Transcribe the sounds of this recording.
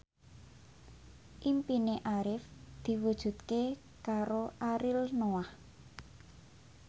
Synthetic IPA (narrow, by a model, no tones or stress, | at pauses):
ʔimpineʔaɾɪfd̪̥i̤wud̥ʒ̥ṳt̪ke | kaɾoʔaɾɪlnoah